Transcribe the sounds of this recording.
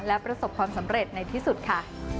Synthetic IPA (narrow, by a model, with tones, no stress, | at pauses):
lɛ˦˥pɾa˧so˨˩p̚kʰwaː˧msa˩˦mɾe˨˩t̪̚na˧jt̪ʰiː˥˩su˨˩t̪̚kʰa˥˩